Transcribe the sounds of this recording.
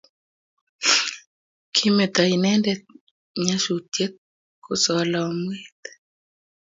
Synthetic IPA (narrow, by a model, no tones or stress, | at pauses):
kʰimet̪ainɛndɛ | ɲaʃutjet̪̚ | kʰosɔlaɔmwet̪